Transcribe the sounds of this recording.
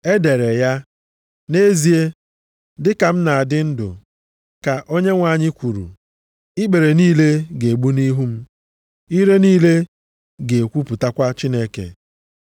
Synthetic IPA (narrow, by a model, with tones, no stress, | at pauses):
e˦de˨ɾe˨ja˦ | ne˦zi˨e˦ | dɪ˦ka˨m̩˦na˨a˨dɪ˦n̩˦dʊ̰˨ | ka˨ʔo˦ɲe˦ŋʷa˨˦˨ɲɪ˦kʷu˨ɾṵ˨ | ɪ˦ɡ͡be˨ɾe˨niː˦le˦ɡe˨ɡ͡bu˦ni˦ɦu˦m̩˦ | i˦ɾe˦niː˦le˦ | ɡe˨kʷu˦pu˨ta˦kʷa˦t͡ʃi˦ne˦kḛ˨